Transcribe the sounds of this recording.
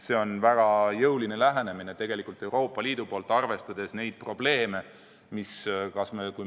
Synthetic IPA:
se̞o̞nvæɡ̥ɑjɤwline̞læɦene̞mine̞t̪e̞ɡ̥e̞likˑult̪ːˑe̞wɾo̞ːpːˑɑliːd̪̥upo̞ːlt̪ːˑɑrve̞st̪ɑd̪̥e̞sne̞jd̪̥̚pro̞b̥le̞ːme̞ | miskɑsmeku

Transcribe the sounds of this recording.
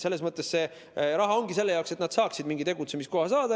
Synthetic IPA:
se̞lːe̞smɤt̪ˑːe̞sse̞ | ɾɑɦɑo̞ŋɡ̥ise̞lːejɑokse̞t̪nɑd̪̥sɑːksid̪miŋɡit̪e̞ɡut̪se̞misko̞hɑsɑːd̪ɑ

